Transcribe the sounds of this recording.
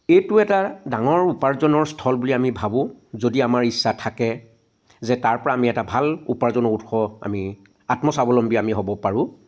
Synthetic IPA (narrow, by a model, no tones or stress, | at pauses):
ejtʊɛtadaŋɔɹupaɹzɔnɔɹstʰɔlbuliamibʱabʊ̃zodiamaɹisːatʰakɛ | zɛtaɹpɔɹaːmiɛtabʱalupaɹzɔnɔɹutxɔa̰mi | atmɔsabɔlɔmbiamiɦobɔpaɹʊ̃